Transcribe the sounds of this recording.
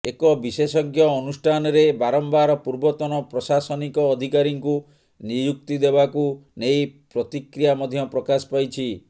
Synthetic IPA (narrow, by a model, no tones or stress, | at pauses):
ekɔbisesɔɡjɔːnusʈʰanɔɾebaɾɔmbaɾɔpuɾbɔt̪ɔnɔpɾɔsasɔnikɔːd̪ʱikaɾiŋku | nijuk̚t̪id̪ebakunejpɾɔt̪ikɾijamɔd̪ʱjɔpɾɔkaspajt͡ʃʰi